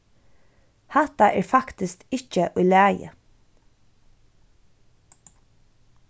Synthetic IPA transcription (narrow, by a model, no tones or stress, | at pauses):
hɑt̪ɑʔæːɹfɑkt̪ɪskɪçəʔʉːlæːjə̰